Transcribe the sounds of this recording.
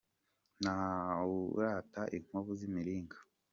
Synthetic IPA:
nauɾataʔiŋ̥oβuzimiɾiːŋɡa

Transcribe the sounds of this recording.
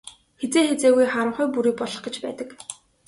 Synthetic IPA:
xet͡seːxet͡seːɣujχaɾə̆χʊjpuɾiːk̚pɔɮɞ̆χɡĕt͡ɕpæ̰ːt̪ə̆k

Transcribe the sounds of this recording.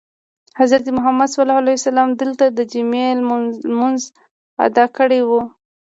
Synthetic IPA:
hazɾaɾt̪əmʊɦamad̪swalɑhalajsalɑmd̪əlt̪ad̪əd͡ʒimelmʊnz | a̰d̪ɑkəɽewu

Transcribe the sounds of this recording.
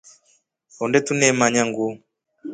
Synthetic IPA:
ɔndɛtunɛmaɲaŋɡu

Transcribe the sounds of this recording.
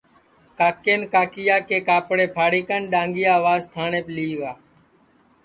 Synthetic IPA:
kaːkeːnkaːkɪjaːkeːkaːpɽeːpʰaːɽiːkənɗãːŋɡɪjaːʋaːzt̪ʰaːɳẽːpliːʋaː

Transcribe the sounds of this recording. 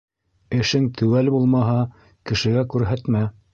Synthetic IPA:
ɘ̆ʃɘŋt̪ʰʉ̆wælbulˠmɑɦɑ | kɘ̆ʃɘ̆ɡækʉɾɦæt̪mæ

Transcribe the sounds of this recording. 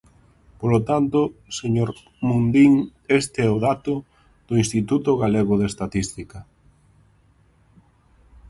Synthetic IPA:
polot̪ant̪ʊseɲoɾ | mund̪iŋest̪ɪɛʊðat̪ʊ | ð̥ʊĩnst̪it̪ut̪ʊɣaleɣʊðest̪at̪ist̪ikɐ

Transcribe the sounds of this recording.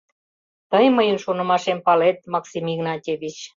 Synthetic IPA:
t̪əjməjənʃonə̆mɑʃempɑlet̪̚mɑksimiɣnɑtʲeβit͡ɕ

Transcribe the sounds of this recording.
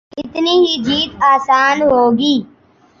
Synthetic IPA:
ɪt̪niːɦid͡ʒiːt̪aːsaːnɦoːɡiː

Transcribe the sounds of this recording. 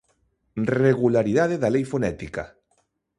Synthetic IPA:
reɣulaɾiðaðeðalejfonɛt̪ika̰

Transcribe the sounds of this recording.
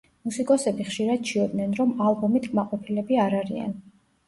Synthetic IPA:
musikʼɔsɛbiχʃiɾad̪̥̚t͡ʃʰiɔb̪nɛnɾɔmalˠbɔmit̪ʰkʼmaqʼɔpʰilɛbiaɾaɾia̰n

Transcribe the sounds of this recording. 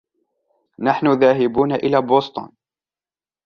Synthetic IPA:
naħnʊðaːɦɪbuːnaʔɪlaːboːst̪ˤʊ̰ːn

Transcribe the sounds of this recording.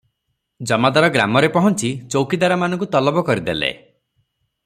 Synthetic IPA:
d͡ʒɔmad̪aɾɔɡɾa̰mɔɾepɔɦɔnt͡ʃit͡ʃowkid̪aɾamanɔ̃ŋkut̪ɔlɔbɔkɔɾid̪elḛ

